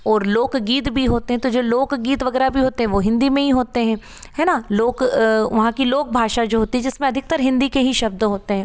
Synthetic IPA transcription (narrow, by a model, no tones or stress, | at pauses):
ɔːɾloːkɡiːt̪bʱiɦoːt̪eɦɛ̃t̪od͡ʒoːloːkɡiːt̪ʋɐɡɛːɾabʱiɦoːt̪eɦɛ̃ʋoɦɪ̃nd̪imẽɦiɦoːt̪eɦɛ̃ː | hɛːnaloːkʋɐɦãkiloːk̚bʱaːʃad͡ʒoːɦoːt̪iɦɛ̃d͡ʒɪsmẽɐd̪ʱɪk̚t̪əɾɦɪ̃nd̪ikeɦiʃɐbd̪ɦoːt̪eɦɛ̃ː